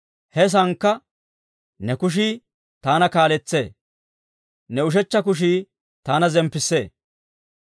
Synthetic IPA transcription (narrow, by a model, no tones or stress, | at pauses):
hɛs̬ɐŋkːɐ | nɛkʊʃ̬i | t̪aːnɐkaːlɛt͡sːḛː | nɛʊʃ̬ɛt͡ʃːɐk̬ʊʃ̬iː | t̪aːnɐzɛmpːɪsːḛː